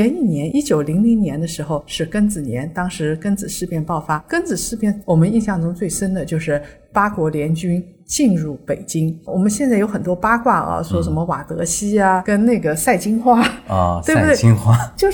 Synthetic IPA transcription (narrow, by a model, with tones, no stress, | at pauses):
ɛ˧˥ni˥˩njɛ˧˥nʔi˥t͡ɕjo˨˩ʊli˧˥ŋli˧˥ŋnjɛ˧˥nd̪ə˧ʂɻ̩˧˥xo˥˧ʊʂɻ̩˥˩kə˥nt͡sɹ̩˨˩njɛ̰˧˥nt̪ɑ˥ŋʂɻ̩˧˥kə˥nt͡sɹ̩˨˩ʂɻ̩˥˧pjɛ˥˧npɑ˥˩ʊfa˥kə˥nt͡sɹ̩˨˩ʂɻ̩˥˧pjɛ˥˩nwɔ˨˩mə˦ni˥˧ɕjɑ˥˩ŋʈ͡ʂʊ˥ŋt͡swe˥˩ɪʂə˥nd̪ə˨t͡ɕjo˥˧ʊʂɻ̩˥˩ | pa˥kwɔ˧˥ljɛ˧˥nt͡ɕy˥n | t͡ɕi˥˧nɻu˥˩pe˨˩ɪt͡ɕi˥ŋwɔ˨˩mə˦nɕ̬jɛ˥˧t͡sa˥˩ɪjo˧˥ʊxə˨˩nt̪wɔ˥pa˥kwa˥˩ɐ̰˧˩swɔ˧˥ʂ̬ə˧˥nmə˧wa˨˩t̪ɤ̰˧˥ɕi˥a˧kə˥nna˥˩ɪɡə˩sa˥˩ɪt͡ɕi˥ŋxwa̰˥˧we˥˩˥bt̪wŋxwa˥t͡ɕjo˥˧ʊ